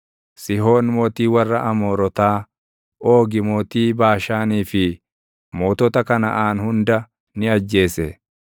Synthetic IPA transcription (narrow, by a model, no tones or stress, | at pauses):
sɪɦo̞ːnmoːt̪iːwɐrːɐʔɐmoːɾɔt̪aː | o̞ːɡɪmoːt̪iːbaːʃaːniːfɪ | moːt̪ɔt̪ɐkɐnɐ̰ʔaːnhʊnd̪ɐ | nɪɐd͡ʒːe̞ːsɛ